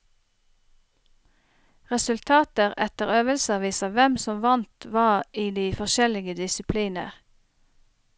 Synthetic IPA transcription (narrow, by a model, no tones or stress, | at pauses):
ʁɛsʉlt̪ʰɑːt̪əʁɛt̪əʁøːʋəlsəʋiːsəʋɛmsɔmʋɑnt̪ʋɑːʁiːd̪iːfɔʃɛlɪɡəd̪ɪsɪpʰliːnə̰ʁ